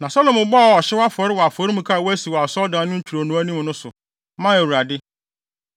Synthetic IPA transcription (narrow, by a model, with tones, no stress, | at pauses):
nã˨sɔ˦lõ˨mʊ̃˨bɔ˦a˨ɔ˨ɕɪ˦wɔ˦a˦fɔ˨ɾɪ˦wɔ˨a˨fɔ˨˦ɾĩ˦mũ˨kʰa˦˨wɔ˦æ˦si˨wɔ˨a˨sɔ˦dãː˨˦nʊ̃˦ɲ̩˦t͡ɕʰᶣu˨ɾo˨nʊ̃˨˦æ˦nĩ˦m˨nʊ̃˦sʊ˨ | mã˦e˨u˨ɾa˨dɪ˦